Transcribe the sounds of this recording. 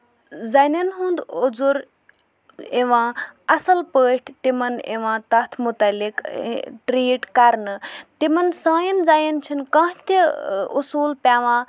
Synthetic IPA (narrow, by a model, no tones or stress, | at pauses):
zaːnɐnɦũnd̪od͡zuɾ | eʋãːɐsɐlpəːʈʰt̪imɐnḛʋãːt̪ɐt̪ʰmut̪ɐlikʈɾiːʈkɐɾnɨt̪imɐnsãːjinzaːjɐnt͡ʃʰinkãːɦt̪iṵsuːlpʲaːʋãː